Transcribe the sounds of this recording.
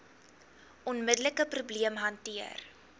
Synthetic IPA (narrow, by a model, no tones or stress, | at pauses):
ʔɔnmədələkəprubliəmɦɐntiər